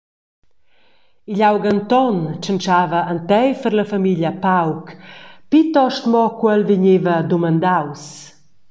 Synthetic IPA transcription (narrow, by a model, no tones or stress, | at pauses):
iʎawɡant̪ɔnt͡ʃənt͡ʃaːvɐːnt̪ɛjfəɾləfamiʎjapawkpit̪ɔʃt̪mɔkwɛlviɲevɐd̪umand̪aws